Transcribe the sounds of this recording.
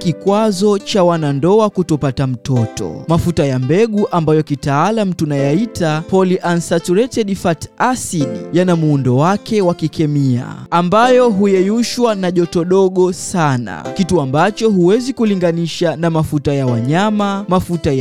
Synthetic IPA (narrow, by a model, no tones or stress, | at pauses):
kikwazɔt͡ʃawanandɔakutɔpatam̩tɔtɔ̰mafutajambɛɠuʔambajɔkitaalam̩tunajaitapɔliʔansatuɾɛtɛɗifatasiɗjanamuːndɔwakʰɛwakikɛmia̰ambajɔɦujɛjuʃwanaʄɔtɔɗɔɠɔsana̰kituambat͡ʃɔɦuwɛzikuliŋɡaniʃanamafutajawaɲamamafutaj